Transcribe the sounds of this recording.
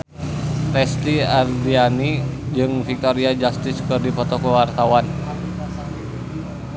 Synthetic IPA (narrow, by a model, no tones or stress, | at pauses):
rɛst̪iardianid͡ʒɨŋfik̚t̪ɔɾiad͡ʒast̪ɪskɨrdipɔt̪ɔkɔwart̪awan